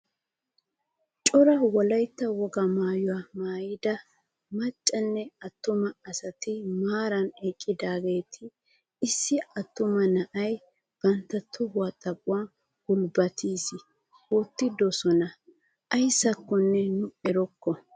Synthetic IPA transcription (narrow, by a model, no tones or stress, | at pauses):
t͡ʃʼɔɾɐwɔlɐjt̪ːɐwɔɡɐmaːjʊwamaːjɪd̪ɐ | mɐt͡ʃʼːɐnːɛɐt̪ːʊmɐːsɐt̪ɪmaːɾɐnekʼːɪd̪aːɡe̞ːt̪ʰɪː | sːɪɐt̪ːʊmɐnɐʔɐj | b̥ɐnt̪ːɐt̪ʰːʊbʊwat̪ʼɐpʼʊwa | hʊlbɐt̪iːsɪ | ɔt̪ːɪd̪ɔsɔnɐ | ʔɐjsːɐkːɔnːɛnʊɛɾɔkːɔ